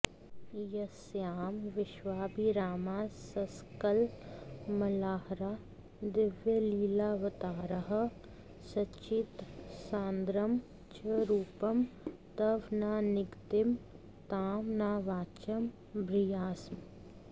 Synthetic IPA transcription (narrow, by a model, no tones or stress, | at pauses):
jɐsjaːmʋɪʃʋaːbiɾaːmaːsɐskəl | mɐlaːhɾaː | d̪ɪʋjəliːlaːʋɐt̪aːɾəɦə | sɐt͡ʃit̪sãːnd̪ɾɐm | t͡ʃɐɾuːpɐmt̪ɐʋnaːnɪɡt̪ɪm | t̪aːmnaːʋaːt͡ʃɐm | bɾijaːsm